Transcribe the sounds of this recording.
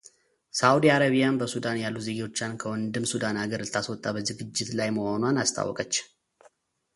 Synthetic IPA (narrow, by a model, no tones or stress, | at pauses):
sawud̪iaɾaβijanbəsud̪anjalːut̪zeɡiwo̞t͡ʃːankʰəwɔnd̪ɨmsud̪anaɡəɾt̪ʰːaswɔt̪ʼːabəzɨɡɨd͡ʒːɪt̪lajməho̞nwanast̪ʰʼa̰wːɔ̰kʼət͡ʃː